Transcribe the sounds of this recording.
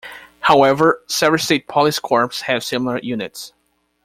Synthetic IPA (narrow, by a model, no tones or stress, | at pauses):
hawɛvə˞sɛvɹəl̩ˠsteɪt̚pʰɑlˠiskʰɔɹpshɨv̥sɪ̃ml̩ˠə˞jʉnɨts